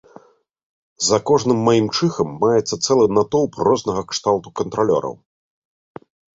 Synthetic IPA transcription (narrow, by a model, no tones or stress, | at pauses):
zɐkɔʐnɨmːajimt͡ʂɨxɐmːajɛt̪sːɐt̪sɛlˠɨnat̪ɔwprɔznɐɣɐkʂt̪alˠt̪ukɐnt̪ɾalʲɔ̰ɾɐ̰w